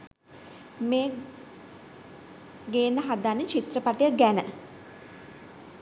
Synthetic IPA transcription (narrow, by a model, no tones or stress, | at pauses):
meː | ɡeːnːəɦad̪anːit͡ʃit̪rəpaʈijəɡænə